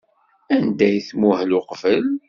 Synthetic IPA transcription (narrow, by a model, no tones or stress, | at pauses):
ænd̪æjθmuhlʊqvəl